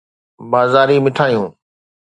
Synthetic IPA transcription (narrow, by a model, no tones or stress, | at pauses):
baːzaːɾimɪʈʰaːijũː